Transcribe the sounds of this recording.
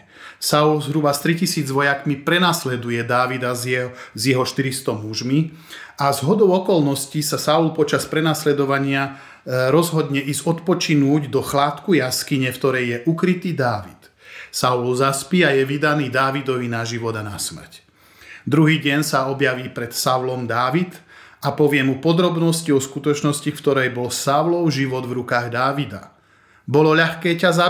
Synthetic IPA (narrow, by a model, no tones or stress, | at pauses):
saulzɦɾubast̪ɾicisiːd͡zʋɔjakmipɾɛnaslɛd̪ujɛd̪aːʋid̪azjɛɦɔʃt̪iɾist̪ɔmuʒmi | azɦɔd̪ɔʊɔkɔlnɔscisasaulpɔt͡ʃaspɾɛnaslɛd̪ɔʋaɲɪa | ɾɔzɦɔd̪ɲɛʔiːzɔt̪pɔt͡ʃinuːɟd̪ɔxlaːt̪kujaskiɲɛft̪ɔɾɛjjɛʔukɾit̪iːd̪aːʋit̪ | saulzaspiːajɛʋid̪aniːd̪aːʋid̪ɔʋinaʒiʋɔd̪ana̰smr̩c | d̪ɾuɦiːɟɛnsaɔbjaʋiːpɾɛt̪saʊlɔmd̪aːʋit̪apɔʋɪɛmupɔd̪ɾɔbnɔsciɔskut̪ɔt͡ʃnɔscikt̪ɔɾɛjbɔlsaʊlɔʊʒiʋɔd̪vɾukaːɣd̪aːʋid̪a̰ | bɔlɔʎaxkɛːcaza